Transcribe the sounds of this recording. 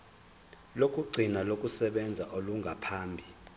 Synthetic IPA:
lokʼuɡ͡ǀʱinalokʼusɛɓɛnd͡zʱaʔoluŋɡʱapʰaːmbʱi

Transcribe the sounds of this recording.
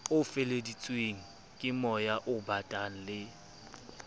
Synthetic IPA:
ʊfɪledit͡sʼweŋ̩ | kʼɪmɔjaʔʊbatʼan̩lɪ

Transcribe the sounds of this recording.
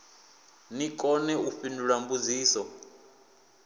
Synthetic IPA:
nikʼɔnɛuɸinduɺambud͡ziːsɔ

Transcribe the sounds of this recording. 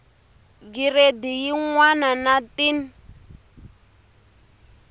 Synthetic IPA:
ɡiredijiŋwananatʼini

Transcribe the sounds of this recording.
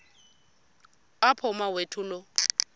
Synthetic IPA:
apʰʊmawetʰʊlʊ

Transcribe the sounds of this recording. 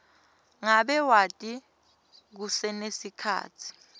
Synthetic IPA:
ŋaɓɛwatʼi | k̬usɛnesikʰa̰ːtʰi̥

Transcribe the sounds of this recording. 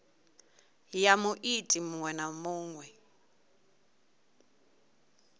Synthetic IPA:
jamuʔitʼimuŋwɛnamuːŋwɛ

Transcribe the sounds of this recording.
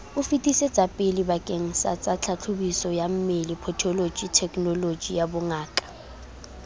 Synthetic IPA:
ʊfitʼisɛ̥d͡zʼapʼɪlibakʼeŋ̩sa̰t͡sʼat͡ɬʰat͡ɬʰʊbisɔjam̩melipʰɔtʰɔlo̥d͡ʒitʰɛkʼnɔlo̥d͡ʒijabʊŋaːkʼḁ

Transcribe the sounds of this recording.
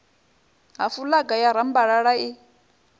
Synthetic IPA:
ɦafulaɡajaɾambaɺaɺai

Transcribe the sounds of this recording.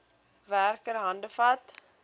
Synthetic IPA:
værkəɾɦɐndəfɐt

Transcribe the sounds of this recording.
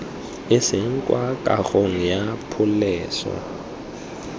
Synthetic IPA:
ɪsɪŋ̩kʼwakʼa̰ɣoŋ̩japʰʊlɛːsɔ̰

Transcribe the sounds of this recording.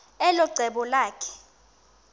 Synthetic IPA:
ɛlɔɡ͡ǀʱɛɓɔlaːkʰɛ̥

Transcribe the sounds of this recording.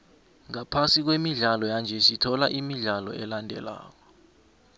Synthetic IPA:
ŋapʰasik̬wemiɮalɔjand͡ʒʱɛsitʰɔlaʔimiɮalɔ̰ɛlandʱɛ̰la̰ːk̬ɔ

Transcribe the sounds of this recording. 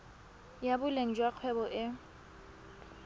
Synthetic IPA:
jabʊleŋ̩d͡ʒwaq͡χʰwɛbɔʔɪ

